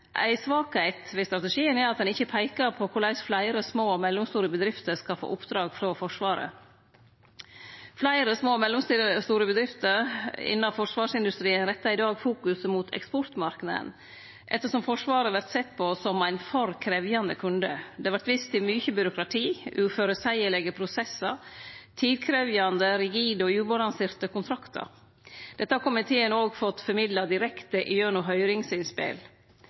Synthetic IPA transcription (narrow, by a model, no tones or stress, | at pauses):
ʔæ̰ɪsʋɑːkhæɪt̪ʋeːst̪ɾɑt̪əʂiːənæɾɑt̪̚d̪ɛnɪçəpʰæɪkɑɾpʰɔkʰʊɭæɪsflæɪɾəsmoːɔmɛlːʊmst̪uːɾəbəd̪ɾɪft̪əɾskɑfo̰ːʔʊpd̪ɾɑːɡfɾɔfɔʂʋɑːɾə̰ | flæɪɾəsmoːmɛlːʊmst̪iːəst̪uːɾəbəd̪ɾɪft̪əɾɪ̰nːɑfɔʂʋɑːʂɪnd̪ʉst̪ɾiːənɾɛt̪ːɑɪd̪ɑːɡfuːkʉsəmut̪ʰɛ̰kspɔɾt̪mɑɾknɑd̪ə̰n | ʔɛ̰t̪ːəʂɔmfɔʂʋɑːɾəʋæɾt̪sɛt̪ːpʰɔsɔmæɪnfɔɾkʰɾɛʋjɑnd̪ə̰kʰʉnd̪əd̪ɛɑʋæɾʈt̪ʋɪst̪ɪmyːçəbʏɾʊkɾɑt̪ʰiːʔʉːføːɾəsæɪəɭɛɡəpʰɾʊsɛsːəɾt̪ʰiːd̪kʰɾeːʋjɑnd̪əɾɪɡiːd̪ɔjʉːbɔlɑnsɪɾt̪əkʊnt̪ʰɾɑkt̪ə̰ɾ | d̪̥ɛt̪ːəhɑkʊmɪt̪ʰeːənoːɡfɔt̪ːfɔɾmɪd̪lɑd̪ɪɾɛkt̪əʔɪjøːnʊɦœʏɾɪŋsɪnspɪ̰l